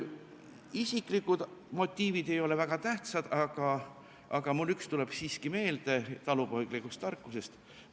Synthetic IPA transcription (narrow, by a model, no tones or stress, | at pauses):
isikˑlikːud̪̥mo̞t̪ʲːˑiːvid̪e̞jo̞le̞væɡ̥ɑt̪æht̪sɑd̪̥ɑɡ̥ɑ | ʔɑɡ̥ɑmulːykst̪ule̞b̥siːskime̞ːld̪̥e̞t̪ɑlupo̞jɡ̥likust̪ːɑrkˑːuse̞st̪